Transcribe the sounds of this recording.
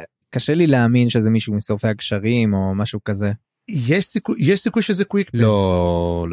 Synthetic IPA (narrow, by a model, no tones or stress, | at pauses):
kaʃelileaminʃezemiʃumisofeakʃaʁimo̞maʃukaze | jeʃsikujjeʃsikujʃezekwiklolo